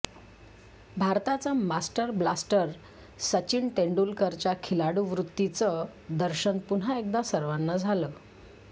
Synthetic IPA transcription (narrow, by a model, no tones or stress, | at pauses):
bʱaɾt̪at͡samasʈəɾblasʈəɾ | sət͡ɕiːɳʈeɳɖulkəɾt͡ɕjakʰilaɽuʋɾut̪ːit͡səd̪əɾɕənpuɳ̤aek̚d̪asəɾʋanːad͡zʱalə